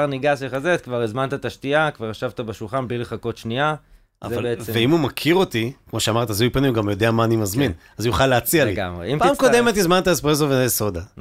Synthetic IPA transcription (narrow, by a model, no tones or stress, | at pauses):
niɡasleχazet̪kvaʁezmant̪at̪aʃtiakvaʁaʃavt̪abeʃulχanblileχako̞t̪ʃnia | ʔa̰vzaleveveimumakʰiʁo̞t̪ikmo̞ʃeamaʁt̪azujpanimuɡamjo̞deamaːnimazminazujuχaleat͡sialiɡa̰mʁḛimpaːmkodemet̪izmant̪aespʁez̬oveeso̞d̪a